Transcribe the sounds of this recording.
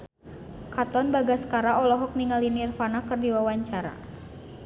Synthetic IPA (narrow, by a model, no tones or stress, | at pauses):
kat̪ɔnbaɡaskaɾaɔlɔɦɔk̚niŋalinirfanakərdiwawaɲt͡ʃaɾa̰